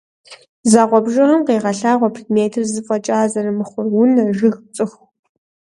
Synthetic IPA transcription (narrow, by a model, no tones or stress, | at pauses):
zaːʁʷɔbʒɐrɐmqeːʁɐɬaːʁʷɔpʰridmeːtʰɨrzɨfʼɐt͡ʃʼaːzɐrɨmɨχʷʊrwʊnɐʒɪxt͡sʼɨx